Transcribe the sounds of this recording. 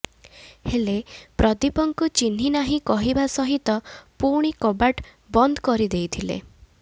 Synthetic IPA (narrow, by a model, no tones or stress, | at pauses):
helepɾɔd̪ipɔŋkut͡ʃin̤inaɦĩkɔɦibasɔɦit̪ɔpuɾɽ̃ikɔbaʈ | bɔnd̪ʱkɔɾid̪ejt̪ʰilḛ